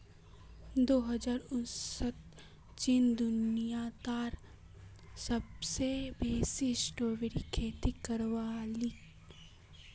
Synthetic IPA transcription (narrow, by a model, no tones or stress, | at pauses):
d̪oːɦɐd͡ʒaːɾʊ̃nsət̪ | t͡ʃɪnd̪ʊnijat̪aːɾ | sɐbsebʱeːsisʈoːʋeɾikʰeːt̪ikəɾʋaːli